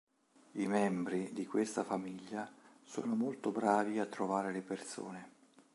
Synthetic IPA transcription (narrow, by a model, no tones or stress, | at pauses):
imɛmbɾid̪ikwest̪afamiʎːaso̰ːnomolt̪obɾaːviat̪ːɾovaːɾeleperso̰ːne